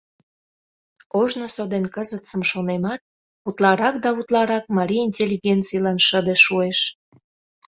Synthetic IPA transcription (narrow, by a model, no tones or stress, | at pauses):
oʒnosod̪enkəzət̪t͡səmʃonemɑt̪̚ | ut̪lɑɾɑk̚d̪ɑut̪lɑɾɑk̚mɑɾʲiinʲtʲelʲːiɣent͡sijlɑnʃəd̪eʃueʃ